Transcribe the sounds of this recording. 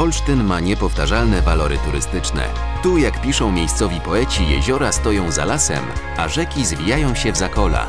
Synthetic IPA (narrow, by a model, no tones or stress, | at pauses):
ɔlʂt̪ɘnmaɲɛpɔft̪aʐalnɛvalɔɾɘ̰t̪uɾɘ̰st̪ɘt͡ʂnɛ̰ | t̪ujakpʲiʂɔ̃w̃mʲejst̪sɔvʲipɔɛt͡ɕijɛ̰ʑɔɾast̪ɔjɔ̃w̃za̰lasɛ̰m | aʐɛkʲizvʲijajɔ̃w̃ɕɛvzakɔla̰